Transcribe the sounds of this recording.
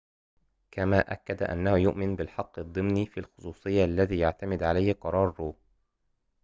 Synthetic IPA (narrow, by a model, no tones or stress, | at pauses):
kʰamaːʔa̰kːad̪a̰ʔa̰nːahʊjʊʔmɪnbɪlħɑqːɨd̪ˤːɨmniːfiːlxʊ̥sˤuːsˤɨjːaʔalːaðiːjaʕt̪amɪd̪ʕalajhqɑɾˤɑːɾˤːuː